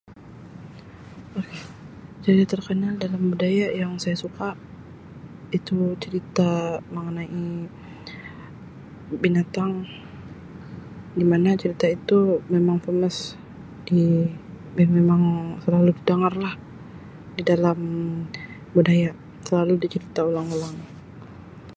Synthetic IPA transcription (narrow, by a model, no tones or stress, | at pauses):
oket͡ʃaɾit̪at̪ərkənaldalambudajajaŋsajasukaʔ | it̪ut͡ʃəɾit̪aməŋənaʔi | binat̪aŋ | ɡimanat͡ʃəɾit̪ait̪umemaŋfəməs | di | mmemaŋsəlaludidaŋarlah | didalam | budaja | səlaludit͡ʃəɾit̪aulaŋulaŋ